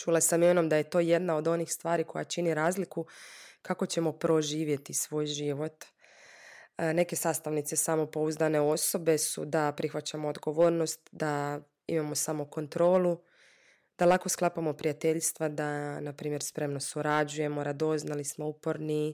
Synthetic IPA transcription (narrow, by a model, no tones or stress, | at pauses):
t͡ʃuːlˠasamimeno̞md̪aje̞t̪o̞ːje̞d̪nao̞d̪o̞nixst̪ʋaːɾikʰo̞ja̰t͡ʃiniɾaːzlikukako̞t͡ɕe̞mo̞pɾo̞ʒiːʋje̞t̪isʋo̞ːjʒiʋo̞t̪ | ne̞ke̞saːst̪aʋnit̪se̞samo̞po̞uzd̪ane̞o̞so̞be̞sṵd̪apɾixʋat͡ɕamoːd̪ɡo̞ʋo̞ːɾno̞st̪d̪a | ḭmamo̞samoko̞nt̪ɾo̞ːlˠu | d̪̥alˠako̞sklˠapamopɾijat̪e̞ʎst̪ʋad̪anapɾiːmjeɾspɾe̞mno̞suɾad͡ʒuje̞mo̞ɾad̪o̞znalismo̞upoɾni